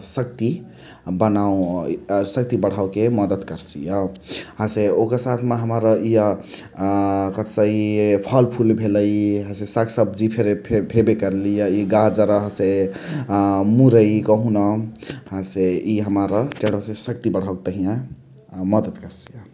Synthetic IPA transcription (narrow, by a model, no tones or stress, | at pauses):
sək̚t̪i | bənaw | sək̚t̪ibəɽ̤awkeməd̪əd̪kəɾsḭjəɦãseokəɾsat̪ʰmaɦəmaɾəijə | kət̪səipʰʌlpʰulbʱeləjiɦãsesaksəb̚d͡ʒipʰeɾepʰepʰebekəɾlijʌiɡad͡ʒəɾʌɦəse | muɾəikəɦunʌɦãseiɦəmaɾəʈeɽokesək̚t̪ibəɽ̤awket̪əɦijã | məd̪əd̪kəɾsijə